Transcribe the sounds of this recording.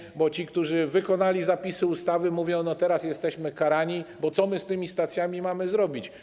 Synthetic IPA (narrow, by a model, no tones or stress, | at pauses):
bɔt͡ɕikt̪uʐɘvɘkɔnalʲizapʲisɘust̪avɘmuvʲjɔ̃w̃nɔt̪ɛɾasjɛst̪ɛɕmɘkaɾaɲibɔt̪sɔmɘst̪ɘmʲist̪at̪sʲjamʲimamɘzɾɔbʲit͡ɕ